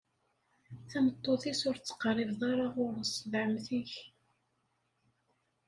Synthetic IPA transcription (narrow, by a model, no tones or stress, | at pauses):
θæmət̪ˤːoθisʊɾt͡sːə̥qrˤːɪvðˤɑɾˤɑʁʊɾsˤvʕəmθiç